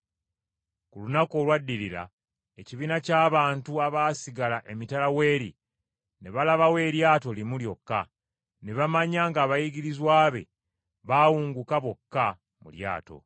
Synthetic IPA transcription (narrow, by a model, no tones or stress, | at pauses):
kulunako̞ːlwadːiɾiɾa̰ | e̞ciβiːnacaːβaːntuaβaːsiɡalaʔe̞mitalawe̞ːɾḭ | ne̞βalaβawe̞ːɾjaːto̞limuljo̞kːa̰ | ne̞βamaɲaːŋɡaːβajiɡiɾizwaːβe̞̰ | βawuːŋɡukaβo̞kːa | mṵlja̰ːto̞̰